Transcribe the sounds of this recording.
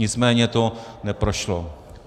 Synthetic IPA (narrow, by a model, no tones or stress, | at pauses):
ɪt͡smɛːɲɛt̪onɛpɾoʃlo